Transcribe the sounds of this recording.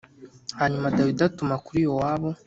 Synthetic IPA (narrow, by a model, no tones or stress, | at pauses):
haɲumadawidatumakuɾijo̞waːβo̞